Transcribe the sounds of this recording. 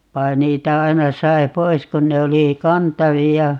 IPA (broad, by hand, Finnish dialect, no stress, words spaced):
ʋɑi̯ niːtæ ɑinɑ sɑi̯ pois kun ne oli kɑntɑʋiɑ